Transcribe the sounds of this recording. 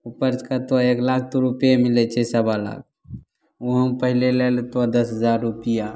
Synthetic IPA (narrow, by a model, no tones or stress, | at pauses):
upəɾt͡ʃkat̪oaeklak̚ʰt̪oɾupjemilɛt͡ʃʰɛsəbala̰k̚ | oɦəmpəɦilelelt̪oad̪əsɦəzaɾːupija